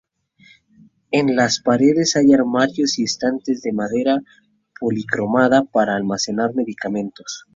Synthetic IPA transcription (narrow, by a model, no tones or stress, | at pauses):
e̞nlaspaɾe̞ðe̞sajaɾmaɾjo̞sest̪ant̪e̞zðe̞maðe̞ɾa | po̞likɾo̞maðapaɾaːlmase̞naɾme̞ðikamẽ̞nt̪o̞s